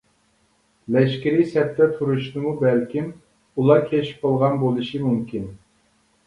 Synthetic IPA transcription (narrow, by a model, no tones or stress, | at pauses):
lɛʃkʲiɾisɛp̚t̪ɛt̪ʰuɾuʃnɨmubɛlkʲim | ulˠɑkʲʰeʃi̥p̚qɑlˠʁɑnbolˠɨʃimumkʲin